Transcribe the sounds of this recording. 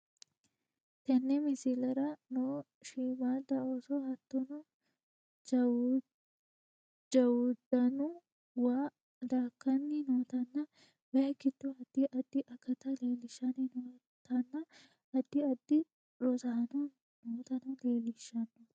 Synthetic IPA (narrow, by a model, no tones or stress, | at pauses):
t̪ɐnːɛmɪsɪlɐɾɐnoː | ʃiːmaːd̪ɐosɔhɐt̪ːɔnʊ | d͡ʒɐwʊd̪ɐnʊ | waː | d̪aːkːɐnːɪnoːt̪ɐnːɐ | bɐkːɪt̪ːʊɐd̪ːɪʔɐd̪ːɪʔɐkːɐt̪ɐleːlɪʃːɐnɪnoː | t̪ɐnːɐ | ɐd̪ːɪɐd̪ːɪ | ɾɔsɐhɐnʊ | noːt̪ɐnɐleːlɪʃːɐnːʊ